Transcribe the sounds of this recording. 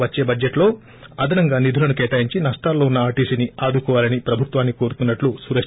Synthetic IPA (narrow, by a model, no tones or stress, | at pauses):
ʋɐt͡ʃːe̞ːbɐd͡ʒeʈlo̞ː | ɐd̪ʱɐnɐŋɡaːnid̪ʱulɐnukeːʈaːjiɲt͡ʃinɐʂʈaːlːo̞ːunːɐaːɾʈiːsiniaːd̪ukɔːʋaːlɐnipɾɐbʱut̪ʋaːnːiko̞ːɾut̪unːɐʈlusuɾɐ